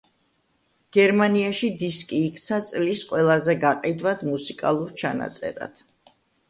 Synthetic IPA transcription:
ɡ̥ɛɾmaniaʃid̪iskʼiːkʰt̪sʰat̪sʼlisqʼwɛlˠazɛɡaqʼid̪vad̪̥musikʼa̰lˠuɾt͡ʃʰana̰t̪sʼɛ̰ɾa̰d̪̥

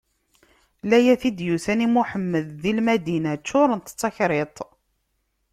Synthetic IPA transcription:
læjæθid̪juθænimuħəmːəðːilmæd̪inæt͡ʃːʊɾˤənt̪t͡sːɑçɾet̪ˤ

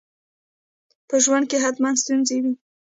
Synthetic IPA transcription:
pəʒwand̪̚keɦat̪mand̪st̪unzewi

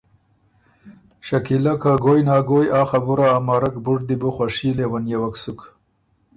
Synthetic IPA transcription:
ʃakilakaɡojnɑːɡojaːxabuɾaːmaːɾakbuʈd̪ibuxwaʂilewanjawaksuk

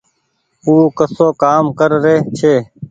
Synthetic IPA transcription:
uːkəsoːkaːmkəɾɾeːt͡ʃʰeː

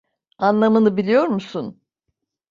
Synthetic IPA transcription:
anlˠamɯnɯbilʲijo̞ɾmusun

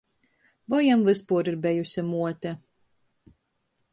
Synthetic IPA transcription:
vɔjamvɨspuːɾiɾbɛjusʲɛmuɔt̪ʲɛ

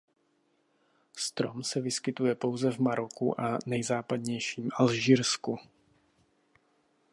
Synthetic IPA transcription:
st̪ɾo̞msɛvɪskɪt̪ujɛpo̞wzɛvmaɾo̞kṵʔanɛjzaːpad̪ɲɛjʃiːmʔalʒiːɾsku

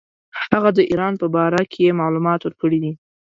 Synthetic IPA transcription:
hhaɣad̪əʔiɾɑnpəbɑɾakʰejemɑlumɑt̪wəɾkəɽid̪i

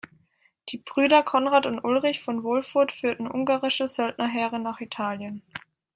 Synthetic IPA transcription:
d̥iːb̥ʁyːdɐkʰɔnʁaːtʊntʔʊlʁɪçfɔnvɔlfʊɐtfyːɐtn̩ʔʊŋɡaːʁɪʃəzœltnɐɦɛːʁənaːχitʰaːljən

